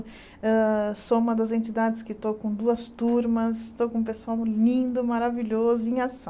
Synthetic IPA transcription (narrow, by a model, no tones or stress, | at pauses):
ɛsoũmɐd̪ɐzẽnt͡ʃid̪ad͡ʒɪskɪt̪okõd̪uɐst̪uɾmɐsɪt̪okõũp̬esuawlĩnd̪ʊmaɾaviʎozʊĩj̃asɐ̃